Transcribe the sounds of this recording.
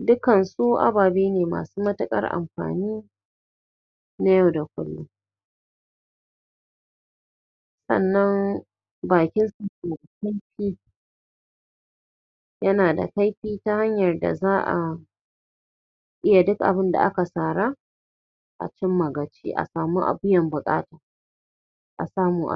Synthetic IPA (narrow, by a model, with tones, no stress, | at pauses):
dʊ˦kɐ˨nsuː˦ʔa̰˦baː˨beː˦neː˨ma̰ː˨suː˦mɐ˦tɐ˦kʼɐ̰˦rʔa̰˨mɸa̰ː˨niː˦ | na˦ja˦˨wda˨kʷʊ̰˦lːʊ̰˦ | sɐ̰˦˨nːɐ˦n | baː˨kʲɪ˦nsu˨keː˨da˨ka˦jɸiː˦ | jɐ˦naː˨da̰˨ka˦jɸiː˦ta˦ha˦ɲjɐ˨rda̰˨zaː˦ʔa̰˨ | ʔɪ˦ja˨dʊ˦kʔa̰˨bɪ˦nda̰˨ʔa˦ka˨saː˨ɾa˦ | ʔa̰˨t͡ʃɪ˦mːɐ˨ɡɐ˨t͡ʃḭː˦ʔa̰˨saː˨muː˦ʔa̰˨bɪ˦jɐ˨mbʊ˨kʼa̰ː˦taː˨ | ʔa̰˨saː˦muː˦ʔa̰˨